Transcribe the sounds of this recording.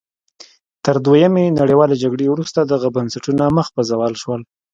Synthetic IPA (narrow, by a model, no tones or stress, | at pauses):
t̪əɾd̪wajamenaɽewɑled͡ʒaɡɽewɾust̪ad̪aɣabansaʈunaməxpazawɑlʃwəl